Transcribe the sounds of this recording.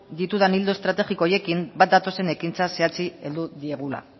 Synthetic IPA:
d̪it̪uðanild̪oe̞st̪ɾat̪e̞ɣiko̞je̞kimbat̪̚d̪at̪o̞se̞ne̞kint͡sase̞at͡sie̞ld̪uðie̞ɣ̞ula̰

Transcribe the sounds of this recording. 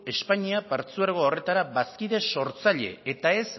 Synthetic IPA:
e̞spaɲiapaɾt͡suaɾɣoore̞t̪aɾaβaskiðe̞so̞ɾt͡saʎe̞̰et̪ae̞s

